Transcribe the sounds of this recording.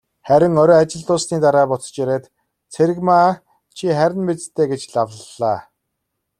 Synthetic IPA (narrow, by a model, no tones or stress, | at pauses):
χæɾʲɪ̆ŋɔɾɔːat͡ɕɪ̆ɮt̪ʊːsniːt̪aɾaːpɔt͡sɞ̥̆t͡ɕjæɾeːt̪ | t͡sʰeɾɘ̆ɣmaː | t͡ɕʰiχæɾʲɪ̆npet͡st̪ʰːeːɡet͡ɕɮawəɮaː